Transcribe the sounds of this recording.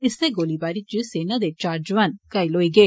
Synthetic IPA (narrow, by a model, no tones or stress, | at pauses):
iseɡolibaɾit͡ʃːɨsenɐd̪et͡ʃaːɾd͡ʒʋɐnkɐjlojɡe